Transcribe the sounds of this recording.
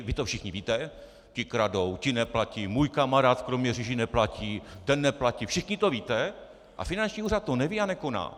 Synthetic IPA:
vɪt̪ofʃɪxɲɪviːt̪ɛ | cɪkɾadowcɪnɛplacimuːjkamaɾaːt̪kɾomɲɛriʒɪnɛplaciːt̪ɛnːɛplacifʃɪxɲɪt̪oviːt̪ɛ | ʔa̰fɪnant͡ʃɲiːuːrat̪̚ːonɛvianɛko̞na̰ː

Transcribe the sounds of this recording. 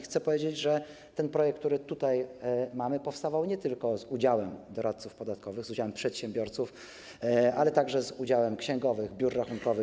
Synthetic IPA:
xt̪sɛpɔvʲjed͡ʑed͡ʑʐɛ | t̪ɛnpɾɔjɛk̚t̪t̪uɾɘt̪ut̪ajmamɘpɔfst̪avawɲɛt̪ɘlkɔzud͡ʑawɛmd̪ɔɾʔat̪sufpɔd̪at̪kɔvɘɣzud͡ʑawɛmpʂɛt̪ɕɛmbʲjɔɾt̪suf | alɛt̪aɡʐɛzud͡ʑawɛmkɕɛŋɡɔvɘɣbʲjuɾːaxuŋkɔvɘ

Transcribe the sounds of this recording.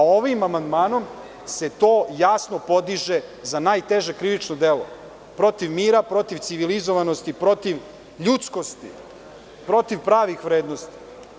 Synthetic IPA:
o̞ʋimamand̪maːno̞m | se̞t̪o̞ːjasno̞po̞d̪iʒezanaːjt̪e̞ʒekɾiʋit͡ʃnod̪elo̰ | pɾo̞t̪iʋmiːɾapɾo̞t̪iʋt̪siʋilizoʋano̞st̪ipɾo̞t̪iʋ | ʎut̪sko̞st̪ḭ | pɾo̞t̪iʋpɾaːʋixʋɾeːd̪no̞st̪i̥

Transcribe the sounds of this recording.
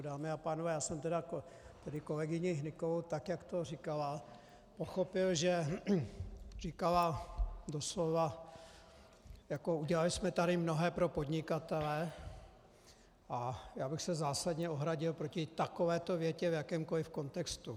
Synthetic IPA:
daːmɪapaːnovɛːjaːsɛmt̪ɛdakot̪ɛdɪkolɛɡɪɲɪɦnɪkovowt̪akjakt̪orɪkala | poxopɪlʒɛ | rikaladoslova | jakouɟɛlalɪsmɛt̪aɾɪmno̞ɦɛːpɾo̞po̞dɲɪkat̪ɛlɛ | ʔajaːbɪxsɛzaːsadɲɛoɦɾaɟɪlpɾocɪt̪ako̞vɛːt̪ovjɛcɛvjakɛːmkolɪfko̞nt̪ɛkst̪u

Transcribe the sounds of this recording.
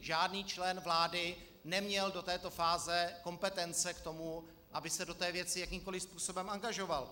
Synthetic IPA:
ʒaːdniːt͡ʃlɛnvlaːdɪ | nɛmɲɛldo̞t̪ɛːt̪o̞faːzɛko̞mpɛt̪ɛnt͡sɛkt̪o̞mu | ʔabɪsɛdo̞t̪ɛːvjɛt͡sɪjakimko̞lɪfspuːso̞bɛmʔaŋɡaʒo̞val

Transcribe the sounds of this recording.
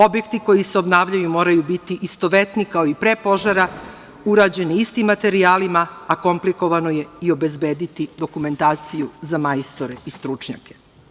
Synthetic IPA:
o̞bje̞kt̪iko̞jiseo̞bnaːʋʎajumo̞ːɾajubit̪iʔist̪o̞ʋe̞t̪nikaoipɾepo̞ʒaɾa | uɾaːd͡ʑe̞niist̪imːat̪e̞ɾiaːlimaːko̞mpliko̞ʋanoje̞io̞be̞zbe̞ːd̪it̪id̪o̞kume̞nt̪aːt̪sijuzamajst̪oɾe̞ist̪ɾut͡ʃɲa̰ke

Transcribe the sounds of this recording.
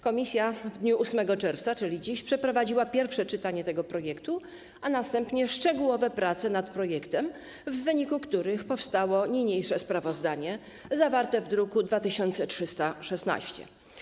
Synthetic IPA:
kɔmʲisʲjavd̪ɲuʔusmɛɡɔt͡ʂɛɾft̪sat͡ʂɘlʲid͡ʑiɕpʂɛpɾɔvad͡ʑiwapʲjɛɾfʂɛt͡ʂɘt̪aɲɛt̪ɛɡɔpɾɔjɛkt̪u | anast̪ɛmpɲɛʂt͡ʂɛɡuwɔvɛpɾat̪sɛnat̪pɾɔjɛkt̪ɛm | vːɘɲikukt̪uɾɘxpɔfst̪awɔɲijɲejʂɛspɾavɔzd̪aɲɛ | zavaɾt̪ɛvd̪ɾukud̪vat̪ɘɕɔnt̪sɛtʂɘst̪aʂɛsna̰ɕt͡ɕɛ̰

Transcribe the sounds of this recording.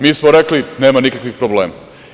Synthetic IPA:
miːsmoɾeklineːmanikakʋixpɾobleːma

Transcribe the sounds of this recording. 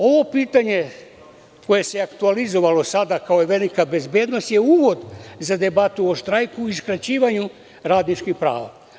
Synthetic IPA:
o̞ʋo̞piːt̪aɲe̞ | ko̞je̞seakt̪ualizo̞ʋalo̞sad̪akaoeʋe̞likabe̞zbje̞ːd̪no̞st̪je̞uːʋo̞d̪zad̪e̞bat̪uoʃt̪ɾajkuiskɾat͡ɕiːʋaɲu | ɾaːd̪nit͡ʃkixpɾa̰ːʋa̰

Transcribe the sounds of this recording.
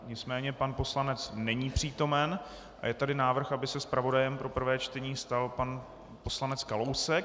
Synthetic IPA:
ɲɪt͡smɛːɲɛpanpo̞slanɛt͡snɛɲiːpr̝̥iːt̪o̞mɛn | ʔa̰jɛt̪adɪnaːvr̩xabɪsɛspɾavo̞dajɛmpɾo̞pr̩vɛːt͡ʃt̪ɛɲiːst̪alpan | po̞slanɛt͡skalowsɛk̚

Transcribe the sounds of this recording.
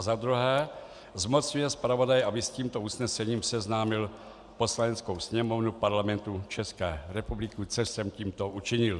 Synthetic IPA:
zad̪ɾuɦɛː | zmot͡sɲujɛspɾavo̞dajɛʔabɪsciːmt̪ousnɛsɛɲiːmsɛznaːmɪl | po̞slanɛt͡skowsɲɛmo̞vnupaɾlamɛnt̪ut͡ʃɛskɛːɾɛpublɪkut͡sɛsɛmciːmt̪oʔut͡ʃɪɲɪl

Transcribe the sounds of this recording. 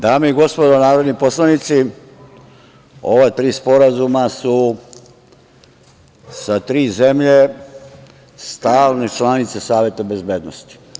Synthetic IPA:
d̪aːmeiɡo̞spo̞d̪onaːɾod̪nipo̞slanit̪si | o̞ʋet̪ɾiːspo̞ɾazumasu | sat̪ɾiːzemʎe | st̪aːlnet͡ʃlˠanit̪sesaːʋje̞t̪abe̞zbeːd̪nost̪i̥

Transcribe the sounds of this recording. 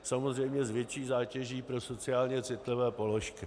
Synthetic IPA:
samozr̝ɛjmɲɛzvjɛt͡ʃiːzaːcɛʒiːpɾo̞so̞t͡sɪaːlɲɛt͡sɪt̪lɪvɛːpo̞lo̞ʃkɪ

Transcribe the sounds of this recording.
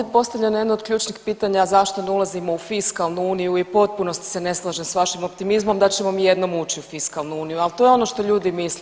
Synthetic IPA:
t̪̚po̞st̪avʎʲenjed̪nod̪̚kʎuːt͡ʃnixpiːt̪aɲazaʃt̪oneulˠazimo̞ufiskalˠnuuːnijuipo̞t̪̚puno̞st̪i̥sene̞slˠaʒemsʋaʃimo̞pt̪imizmo̞md̪at͡ɕemo̞mije̞d̪no̞muːt͡ɕiufiskalˠnuuːnijualt̪ojeo̞no̞ʃt̪o̞ʎuːd̪imisle

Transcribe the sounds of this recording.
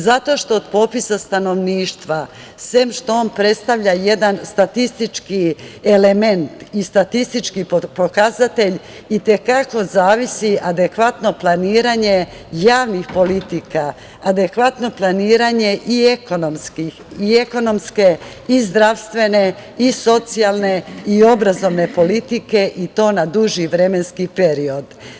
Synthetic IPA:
zat̪o̞ʃt̪oːd̪po̞pisast̪ano̞ʋniːʃt̪ʋa | semʃt̪ooːnpɾet̪st̪aʋʎajed̪anst̪at̪ist̪it͡ʃkiele̞me̞nt̪ist̪at̪ist̪it͡ʃkiopo̞kazat̪e̞ʎ | it̪e̞kako̞zaːʋisiʔad̪e̞kʋat̪no̞plˠaniːɾaɲe̞ | jaːʋnixpo̞lit̪ika | ad̪e̞kʋat̪no̞plˠaniːɾaɲe̞ʔieko̞nomskixieko̞no̞mske̞ | izd̪ɾaʋst̪ʋe̞ne̞iso̞t̪sialˠne̞io̞bɾazo̞ʋne̞po̞lit̪ike̞ʔit̪o̞ːnad̪uʒiʋɾemenskipe̞ɾio̞d̪

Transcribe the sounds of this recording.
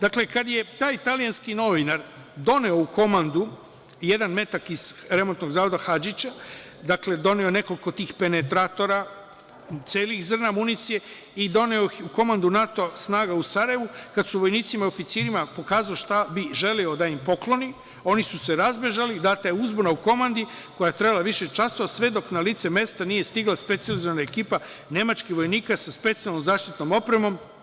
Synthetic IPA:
d̪akle̞kad̪je̞t̪aːjt̪alijanskino̞ʋinaɾ | d̪o̞neo̞ukʰo̞mand̪u | je̞d̪anme̞t̪akiz̥ɾe̞mont̪no̞ɡzaːʋo̞d̪axad͡ʒit͡ɕa | d̪akle̞d̪o̞neo̞ne̞ko̞liko̞t̪iːxpe̞ne̞t̪ɾat̪o̞ɾa | t̪seːlixzr̩namunit̪sije̞ | id̪o̞neouko̞mand̪unat̪o̞asnaːɡausaɾajeʋukad̪suʋo̞jniːt̪simao̞fit̪siːɾimapo̞kaːzaoʃt̪abiʒe̞liod̪aimpo̞klo̞ni | o̞nisuse̞ɾazbe̞ʒalid̪aːt̪ajeuzbonauko̞mand̪i | ko̞jajet̪ɾebalaʋiʃet͡ʃasoasʋe̞d̪o̞knaliːt̪seme̞st̪anije̞st̪iɡlaspe̞t̪sializoʋanaekiːpa | ne̞mat͡ʃkixʋo̞jniːkasaspe̞t̪ijalnomzaːʃt̪it̪no̞mo̞pɾe̞mo̞m

